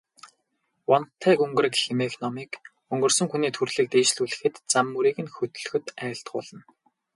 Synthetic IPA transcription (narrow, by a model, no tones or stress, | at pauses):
wɔnt̪ʰæːkɵŋɡɵ̆rɘ̆kximexnɔmiːk | ɵŋɡɵ̆rsɵ̆ŋxuniːt̪ʰɵrɮĭːk̚t̪eːt͡ɕɮuːɮɘ̆xɘ̆t̪t͡samːuɾiːɣɘ̆nxɵt̪ɵ̆ɮɵ̆xɵ̆t̪æːɬt̪ɢʊ̰ːɮə̆n